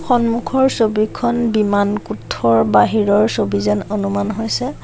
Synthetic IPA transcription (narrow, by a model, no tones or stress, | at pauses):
xɔnmukʰɔɹsobikʰɔnbimankutʰːɔɹbaɦiɹɔɹsobizanonumanɦojsɛ